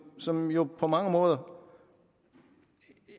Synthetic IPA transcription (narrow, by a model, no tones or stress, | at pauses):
sɒ̽mjo̝pʰɒ̽mɑ̈ŋəmɔ̽ːð̞ˠɐ